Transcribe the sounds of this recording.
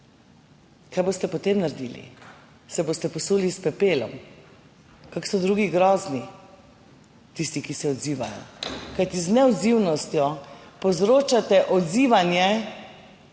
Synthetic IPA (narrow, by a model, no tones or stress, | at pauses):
kajbost̪ɛpɔt̪emnaɾd̪ḭːlḭ | sɛboːst̪ɛpɔsulispɛpeːlɔ̰m | kaksɔd̪ɾuːɡiɡɾɔːzni | t̪ist̪ikisɛɔd̪ziːʋajɔ̰kajt̪iznɛɔd̪ziwnɔst̪jɔpɔzɾoːt͡ʃat̪ɛʔɔd̪ziːʋanjɛ